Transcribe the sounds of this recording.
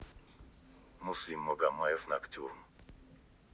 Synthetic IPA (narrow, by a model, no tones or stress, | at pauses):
muslimːɔɡamajɛfnakt̪ʰuɾm